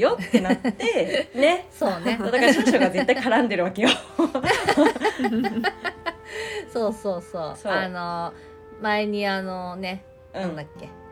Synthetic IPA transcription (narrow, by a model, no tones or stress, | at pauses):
jot̪e̞nat̪ːene̞so̞ːnead̪akaɾɕoɕoɡazet̪ːaikaɾãnd̪e̞ɾɯ̟βake̞jo | soːsoːsoːano | maeɲ̟ianone̞ | nãnd̪akːe̞